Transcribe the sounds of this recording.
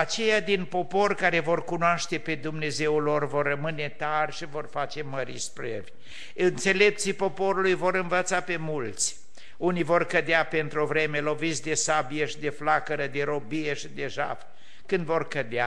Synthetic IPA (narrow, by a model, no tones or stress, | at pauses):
at͡ʃe̞jad̪inpo̞po̞rʲkaɾe̞vo̞rkunoaʃt̪e̞pe̞d̪umne̞ze̞wlo̞rvo̞rːəmɨne̞t̪arʲʃivo̞rfat͡ʃe̞məɾispɾḛv | ɨnt̪se̞le̞p̚t̪sipo̞po̞ɾulujvo̞ɾɨnvət̪sape̞mult̪sʲ | unijvo̞rkəd̪eape̞nt̪ɾovɾe̞melo̞vit̪sʲd̪e̞sabijeʃid̪e̞flakəɾəd̪e̞ɾo̞bijeʃid̪e̞ʒa̰f | kɨnd̪vo̞rkəd̪ea